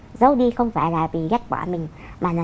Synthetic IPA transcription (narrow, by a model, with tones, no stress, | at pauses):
zə˨˦wɗi˧xə˧wŋ͡mfaː˧˩jlaː˨˩vḭ˨˩ɣa˦˥t̚kwa̰ː˧˩mï˨˩ŋ̟ | maː˨˩nɔ˨˦